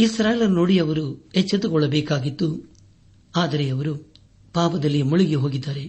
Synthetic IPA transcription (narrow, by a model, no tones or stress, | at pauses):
isɾaːjelɐnnoːɽijɐʋɐɾuɛt͡ʃːɐt̪ukɔɭːɐbɛːkaːɡit̪ːu | aːd̪ɐɾeɐʋɐɾu | paːʋɐd̪ɐlːimuɭiɡeɦo̞ːɡid̪ːaːɾe̞